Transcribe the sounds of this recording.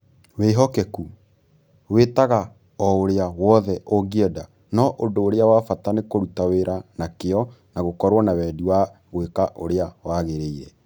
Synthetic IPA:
weːɦɔkɛku | wetaɣa | ɔoɾeawɔðɛʔoɡiɛda | nɔʔondoːɾeawafatanekoɾutaweɾanakeɔ | naɣokɔɾwɔnawɛːdiwaɣwekaʔoɾeawaɣeɾeiɾɛ

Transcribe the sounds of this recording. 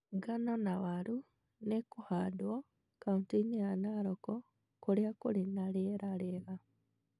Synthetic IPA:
ɡanonaβaɾu | nekuhadwo | kauntinianaɾoko | kuljakulinaleɾaleɣa

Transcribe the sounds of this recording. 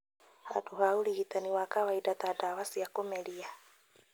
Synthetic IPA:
ha̰duɦaulihit̪aniwakawaidat̪adawasijakumɛlia

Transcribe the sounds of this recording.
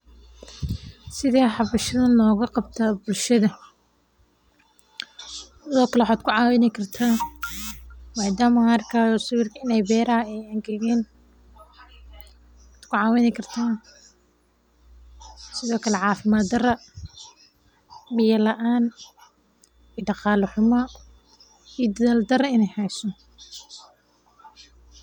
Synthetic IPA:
sɪðaːħɑβɐʃɐðɐnlɔːɣɐqɑb̚t̪ʰaːbʊlʃɐðɐ | tɪðɔːkʰɐlɛħad̪kʰʊʕɑːwɪnɪkʰɐrt̪ʰaː | waːd̪aːmɐɐrkʰaːjsʊwɪrkʰɐɪnɛjbɛːɾɐɐɛjɐŋɡɐɣɛːn | aːd̪kʰʊʕɑːwɪnɛkʰɐrt̪ʰaːn | sɪðɔːkʰɐlɛʕɑːfɪmaːd̪ɐrɐ | bɪjɐlɐʔaːn | iɖɑqɑːlɐħʊmɐ | ijɔd̪ɐðaːld̪ɐrɐɪnɛjhɛjsɔ

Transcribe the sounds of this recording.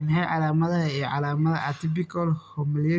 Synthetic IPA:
nɦɛjʕɑlaːmɐðɐijɔʕɑlaːmɐðɐat̪ʰɪbɪkʰɐlhɔmɐljɛ

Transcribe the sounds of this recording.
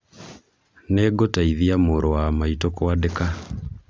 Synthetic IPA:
neːɡotaiðiamoːɾowamaitokowadeka

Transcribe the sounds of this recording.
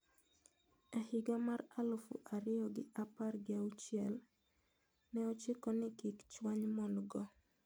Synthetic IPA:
ahɪɡamaɾalʊfṵʔaɾɪjɔɡɪaparɡɪaut͡ʃɪɛl | nɛɔt͡ʃɪkɔnɪkɪkt͡ʃwaɲmɔndɡɔ

